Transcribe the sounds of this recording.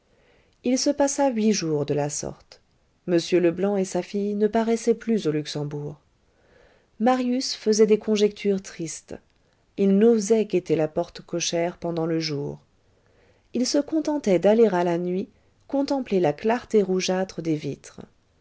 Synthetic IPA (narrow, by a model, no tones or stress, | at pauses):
ilsəpasaɥiʒuːʁd̪əlasɔ̰ʁt̪ | məsjøləblɑ̃esafijnəpaʁɛsɛplyzolyksɑ̃buːʁ | maʁjysfəzɛd̪ekɔ̃ʒɛk̚t̪ʰyʁt̪χist̪ | ilnozɛket̪elapɔʁt̪kɔʃɛʁpɑ̃d̪ɑ̃ləʒuːʁ | ilsəkɔ̃t̪ɑ̃t̪ɛd̪aleʁalanɥi | kɔ̃t̪ɑ̃plelaklaʁt̪eʁuʒat̪χəd̪evit̪χ